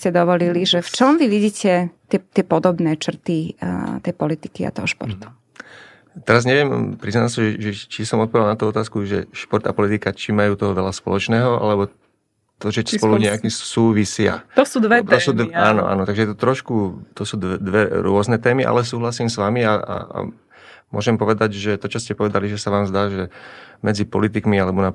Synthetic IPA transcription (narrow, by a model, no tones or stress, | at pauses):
scɛd̪ɔʋɔliliʒɛft͡ʃɔmʋiʋiɟiːcʰɛt̪ɛt̪ɪɛpɔd̪ɔbnɛːt͡ʃr̩t̪it̪ɛjpɔlit̪i̥kia̰t̪ɔɦɔʃpɔ̰ɾt̪u̥ | t̪ɛɾazɲɛʋɪɛmpɾiznasaʒɛʒɛt͡ʃisɔmɔt̪̚pɔʋialnat̪uːɔt̪aːskuʒɛ̰ʃpɔɾt̪apɔlit̪ikat͡ʃimajuːt̪ɔɦɔʋɛlaspɔ̰lɔt͡ʃnɛːɦɔʔa̰lɛbɔ | t̪ɔt͡ʃɔspɔluɲɛakisuːʋisɪa̰t̪ɔsuːd̪ɛt̪ɔsuːd̪aːnɔ̰ʔa̰ːnɔt̪aɡʒɛjɛt̪ut̪ɾɔʃkut̪ɔsuːd̪d̪ʋɛɾʊɔznɛt̪ɛːmiʔa̰lɛs̬uːɦlasiːmsʋamiaa̰ | mʊɔʒɛmpɔʋɛd̪aɟʒɛt̪ɔt͡ʃɔscɛpɔʋɛd̪aliʒɛsaʋaːmzd̪aːʒɛmɛd͡zipɔ̰lit̪̬ikmialɛbɔna